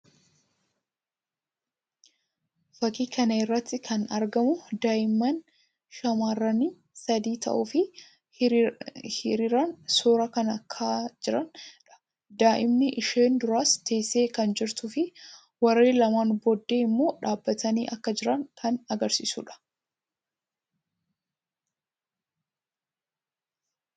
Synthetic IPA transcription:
fɐkiːkʰɐnɐɪrːɐt̪ːɪkʰɐnɐ̰ɾɡɐmʊd̪aːʔɪmːɐn | ʃɐmaːrːɐniː | sɐd̪iːt̪ɐ̰ʔʊfɪ | hɪɾiɾɐnsoːɾɐkɐnɐkʰːad͡ʒɪɾɐnᶑɐ̥ | d̪aːʔɪmnɪʔɪʃeːnd̪ʊɾaːst̪e̞ːsːe̞ːkɐnd͡ʒɪɾt̪ʊfɪ | wɐɾe̞ːlɐmaːnbɔd̪ːe̞ːɪmːo̞ːᶑaːbːɐt̪ɐnḭːʔɐkːɐd͡ʒɪɾɐŋkʰɐnɐɡɐɾsisṵːᶑɐ̥

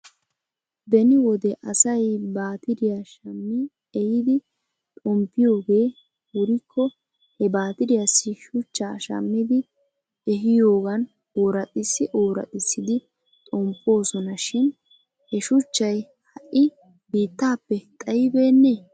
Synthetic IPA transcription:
bɛnɪwɔd̪ɛʔɐsɐjbaːt̪ɪd̪ɪjaʃɐmːɪ | ɛjɪd̪ɪ | t̪ʼɔmpːɪjo̞ːɡe̞ː | wɔɾɪkʰːɔ | hɛbaːt̪ɪd̪ɪjasːɪʃʊt͡ʃːaːʃɐ̰mːɪd̪ɪ | ɛɦɪjo̞ːɡɐn | oːɾɐt̪ʼɪsːɪʔoːɾɐ̰t̪ʼɪsːɪd̪ɪ | t̪ʼɔmpʼːo̞ːsɔnɐʃɪn | hɛʃʊt͡ʃːɐj | hɐʔːɪ | biːt̪ːaːpːɛt̪ʼɐjɪbe̞ːnːeː

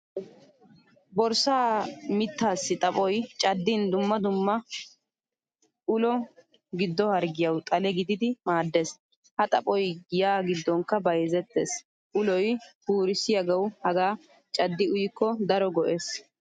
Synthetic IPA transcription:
bɔɾsaːmɪt̪ːaːsːɪt̪ʼɐpʼɔjt͡ʃʼɐd̪ːɪnd̪ʊmːɐd̪ʊmːɐ | ʔʊlɔ | ɡɪd̪ːɔhɐɾɡɪjɐwt̪ʼɐlɛɡɪd̪ɪd̪ɪmaːd̪ːes | hɐt̪ʼɐpʼɔjjaːɡɪd̪ːɔŋkːɐbɐjzɛt̪ːes | ʔʊlɔjbuːɾɪsɪjɐɡɐwhɐɡaː | t͡ʃʼɐd̪ːɪʊjɪkːɔd̪ɐɾɔɡɔʔes

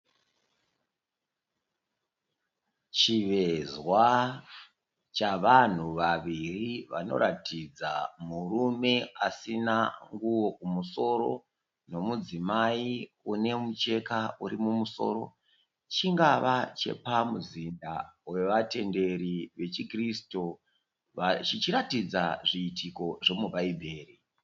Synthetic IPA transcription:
t͡ʃiʋe̞zwa | t͡ʃaʋan̤uʋaʋiriʋa̰no̞̰ɾatʰid͡zamurume̞asinaŋɡuwo̞kumuso̞ɾo̞̰ | no̞mud͡zimai | une̞mut͡ʃe̞kauɾimumuso̞̰ːɾo̞̰ | t͡ʃiŋɡaʋat͡ʃe̞̰pamuzindawe̞ʋate̞nde̞ɾiʋe̞t͡ʃikristo | at͡ʃit͡ʃiɾatid͡zaʐiːtʰiko̞ʐe̞mubaibʱe̞ːri

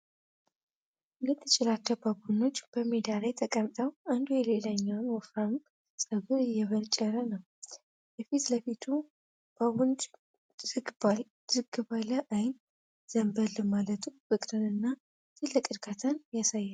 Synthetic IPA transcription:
nlət̪ʰːɨt͡ʃʼɪlat͡ʃːəbaɡuno̞t͡ʃːb̥əmed̪alajt̪ʰəkʼəmt̪ʼəwand̪ujɛlelaɲːawnwɔfam | sʼəβɨɨjːɛβənt͡ʃʼɛɾənəw | jɛfit̪ləfit̪ʰu | b̥aund͡ʒ | zɨɡa | zɨɡɨβaləʔajn | z̥əmbəlːɨmalət̪ʰufɨkʼɾɨnɨnːa | t̪ʰɨlːəkʼɨɾkʰat̪ʰanjasajːa

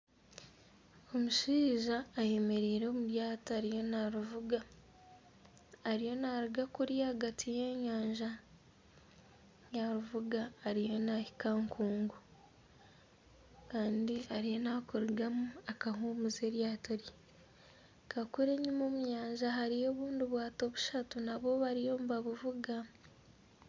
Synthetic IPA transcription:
o̞muʃiːʒaːje̞me̞ɾiːɾeːmuɾjaːtaːɾijo̞naɾuvuɡa | ɾijo̞naɾiɡakuɾjiaːɡatʰijeːɲaːɲʒa | jaɾuvuɡaːɾijo̞nahikaŋkʰuːŋɡu | kaːndiaɾijo̞nakuɾiɡamuakaɦumuze̞ːɾjaːtoɾe | kakuɾe̞ɲumo̞ːmuɲaːɲʒaɦaɾijo̞ːβuːndiβwaːto̞βuʃatunaβo̞βaɾijo̞ːmuβaβuvuɡa

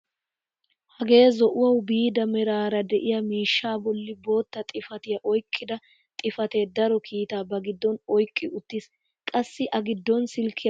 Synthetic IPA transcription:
hɐɡe̞ːzɔʔʊwɐwbiːd̪ɐmɛɾaːɾɐd̪ɛʔɪjɐmiːʃːaːbɔlːɪbo̞ːt̪ːɐt̪ʼɪfɐt̪ɪjɐʔɔjkʼːɪd̪ɐ | t̪ʼɪfɐt̪e̞ːd̪ɐɾɔkʰiːt̪aːbɐɡɪd̪ːɔnɔjkʼːɪʔʊt̪ːis | kʼɐsːɪʔɐɡɪd̪ːɔnsɪlkʰːɪ

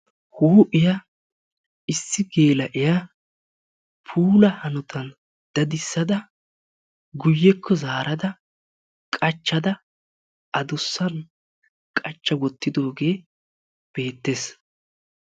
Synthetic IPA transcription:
huːʔɪja | ɪsːɪɡe̞ːlɐʔɪja | pʰuːlɐhɐnʊt̪ʰɐn | d̪̥ɐd̪ɪsːɐd̪ɐ | ɡʊjːɛkʰːɔzaːɾɐd̪ɐ | kʼɐt͡ʃːɐd̪ɐ | ʔɐd̪ʊsːɐn | kʼɐt͡ʃːɐwɔt̪ːɪd̪o̞ːɡe̞ː | b̥e̞ːt̪ːe̞ːs

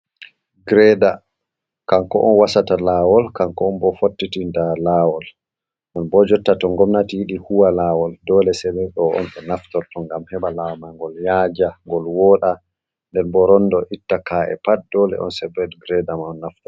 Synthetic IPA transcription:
ɡɾɛda | kaŋkɔ̰ʔɔnwasatalaːwɔlkaŋkɔːnbɔfotːitindalaːwɔl | nɛnbɔd͡ʒɔtːatɔŋɡɔmnatijiɗihuwalaːwɔldɔːlɛsɛbɛɗɔɔ̰nfɛnaftɔltɔŋɡamhɛɓalawmaŋɡɔljad͡ʒaŋɡɔlwɔːɗa | ndɛnbɔɾɔndɔʔitːakaɛ̰pat̚dɔlɛ̰ʔɔ̰nsɛbɛdɡɾɛdamaɔnːaftɔ

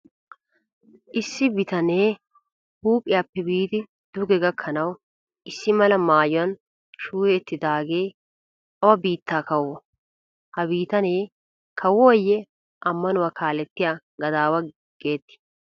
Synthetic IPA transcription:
ʔɪsːɪbɪt̪ɐneː | huːpʼɪjaːpːɛbiːt̪ɪ | d̪̥ʊɡɛɡɐkʰːɐnɐw | ʔɪsːɪmɐlɐmaːjʊɐn | ʃuːɛːt̪ːɪd̪aːɡe̞ː | ɐwɐbiːt̪ːaːkɐwːɔ | hɐbiːt̪ɐneː | kʰɐwɔːjːɛ | ʔɐmːɐnʊwaːkʰaːlɛt̪ːɪjaː | ɡɐd̪aːwɐ | ɡ̥e̞ːt̪ːɪ̥

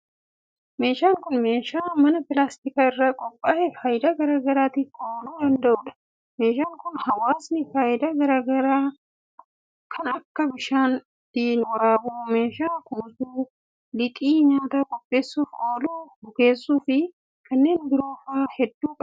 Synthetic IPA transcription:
me̞ːʃaːŋkʊnme̞ːʃaːmɐnɐpɪlaːst̪ɪkaːɪrːakʼɔpʼːaːhɛfɐːjɪd̪aɡɐɾaːɡɐɾaːt̪ɪkoːluːd̪ɐnd̪ɐʔʊːᶑɐ̥ | me̞ːʃaːŋkʊnhɐwaːsnɪfaːjɪd̪ɐɡɐɾaːɡɐɾaː | kʰɐnɐkːɐbɪʃaːn | d̪̥iːnwɐɾaːbuːme̞ːʃaːkuːsuː | lɪt̪ʼiːɲaːt̪aːkʼɔpʼːe̞ːsːuːfkoːluːhʊke̞ːsːuːfɪ | kʰɐnːe̞ːnbɪɾo̞ːfaːhɛd̪ːuːkʼɐ

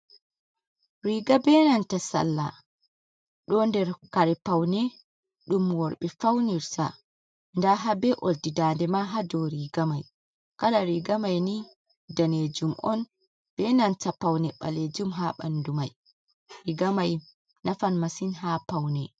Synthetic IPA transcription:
ɾiɡabɛnantasa̰lːa | ɗɔndɛɾkaɾɛpawnɛ | ɗumwɔɾɓɛfawniɾsa̰ | ndaɦabɛʔoldidandɛmaɦadɔɾiɡamaj | kalaɾiɡamajni | daned͡ʒumʔɔn | b̥ɛnantapawnɛɓa̰led͡ʒumɦaɓa̰ndumaj | ɾiɡamaj | nafanmasinɦapawnɛ

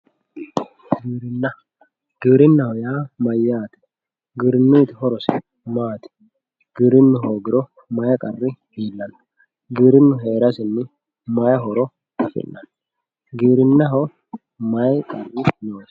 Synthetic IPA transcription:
ɡiːɾɪnːɐ | ɡ̥iːɾɪnːɐhɔjaːmɐjːaːt̪ɛ̥ | ɡiɾɪnːʊjt̪ɪhɔɾɔsɪ | maːt̪ɛ̥ | ɡ̥iːɾɪnːʊɦoːɡɪɾɔ | mɐjɐkʼɐrːɪhiːlːɐn | ɡiːɾɪnːʊɦeːɾɐsɪnːɪ | mɐjɐɦɔɾɔ | t̪ɐfɪ̰nːɐn | ɡiːɾɪnːɐɦɔ | mɐjkʼɐrːɪnoːs

